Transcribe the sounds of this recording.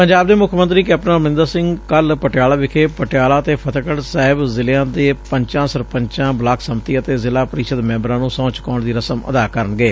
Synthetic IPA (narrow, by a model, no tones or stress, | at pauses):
pəɲd͡ʒaːbd̪eːmʊkʰmə̃nt̪ɾiːkɛːp̚ʈnə̃ːmənɪ̃nd̪əɾsɪ̃ŋɡkəlpəʈjaːlaːʋɪkʰeːpəʈjaːlaːt̪eːpʰət̪kəɽsaːɦɪbzɪlãːd̪eːpəɲt͡ʃãːsəɾpəɲt͡ʃãːblaːkʰsəmt̪iːət̪eːzɪlaːpəɾiʃəd̪mɛ̃ːmbəɾãːnũːsɔ̃ːt͡ʃkɔːɳd̪iːɾəsəmə̰d̪aːkəɾənɡeː